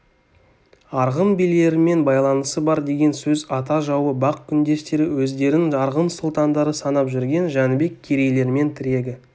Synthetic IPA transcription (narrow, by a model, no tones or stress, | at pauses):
ɑɾʁəmbilːe̞ɾɪme̞nbɑjlˠɑnəsəbɑɾd̪e̞ɡʲe̞nsɵzɑt̪̬ɑʒɑwəbɑqkʲʰʏnd̪e̞st̪e̞ɾɪwɵzd̪e̞ɾɪŋʒɑɾʁəmsʊlˠt̪ɑnd̪ɑɾəsɑnɑpʒʏɾɡʲe̞nʒɑnbe̞kʲʰːeɾe̞jle̞ɾɪme̞nt̪ʰɪɾe̞ɡʲɪ